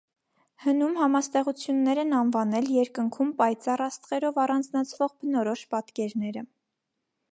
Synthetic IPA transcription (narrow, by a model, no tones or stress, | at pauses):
hənumhɑmɑst̪ɛʁut͡sʰjunːɛɾɛnɑnvɑnɛljɛɾkəŋkʰumpɑjt͡sɑrɑst̪ʁɛɾɔvɑrɑnd͡znɑt͡sʰvɔʁbənɔɾɔʃpɑt̪kɛɾnɛɾə